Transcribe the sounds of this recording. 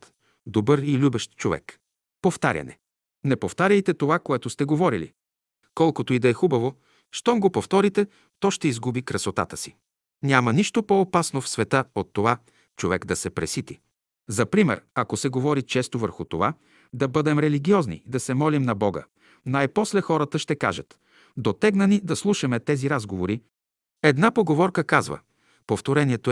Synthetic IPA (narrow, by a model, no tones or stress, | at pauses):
t̪ | d̪obɤɾilʲubɛʃt̪t͡ʃovɛ̰k | poft̪aɾʲɐ̰nɛ̰ | nɛpoft̪aɾʲəjt̪ɛt̪ovakoɛt̪ʊst̪ɛɡovɔɾilḭ | kɔlˠkot̪oid̪ɐɛxubɐvo | ʃt̪ɔmɡopoft̪ɔɾit̪ɛ | t̪ɔʃt̪ɛizɡubikɾɐsot̪a̰t̪əsi | nʲjamɐniʃt̪opoːpasnofsvɛt̪əot̪ːova | t͡ʃovɛkd̪ɐsɛpɾɛsit̪i | zɐpɾimɛ̰ɾɐkosɛɡovɔɾit͡ʃɛst̪ovə̰ɾxʊt̪ova | d̪ɐbɤd̪ɛmɾɛliɡʲiɔznḭd̪ɐsɛmɔlimnɐbɔɡə̰ | najpɔslɛxɔɾət̪əʃt̪ɛka̰ʒət̪ | d̪ot̪ɛɡnɐnid̪ɐslˠuʃɐmɛt̪ɛziɾazɡovoɾi | ɛd̪napoɡovɔɾkəkazvə̰ | poft̪oɾɛnʲiɛt̪o